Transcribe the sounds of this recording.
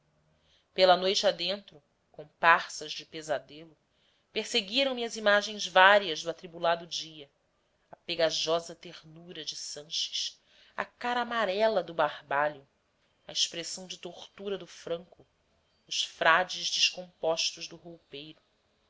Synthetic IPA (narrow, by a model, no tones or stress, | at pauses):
pelɐnojt͡ʃɪad̪ẽnt̪ɾʊ | kõpaχsɐzd͡ʒɪpezad̪elʊ | peɾseɡiɾɐ̃w̃mɪɐzimaʒẽj̃zvaɾiɐzd̪ʊat̪ɾibulad̪ʊd͡ʒiɐ | ɐpeɡaʒɔzɐt̪eʁnuɾɐd͡ʒɪsɐ̃ʃɪ̥ʃ | ɐ̰kaɾɐːmaɾɛlɐd̪ʊbaɾbaʎʊ | ɐeʃpɾesɐ̃w̃d͡ʒɪt̪oχt̪uɾɐd̪ʊfɾɐ̃ŋkʊ | ʊʃfɾad͡ʒɪzd͡ʒɪʃkõpɔʃt̪ʊʒd̪ʊɦowpejɾʊ